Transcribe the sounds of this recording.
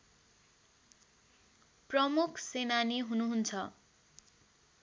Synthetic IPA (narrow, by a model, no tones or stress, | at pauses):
prʌmukʰsenaniɦunuɦunt͡sʰʌ